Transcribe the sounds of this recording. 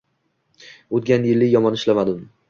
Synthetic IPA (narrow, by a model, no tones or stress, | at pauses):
ot̪ɡʲanjɪlːɪjɒmɒnɪʃlamad̪ɪm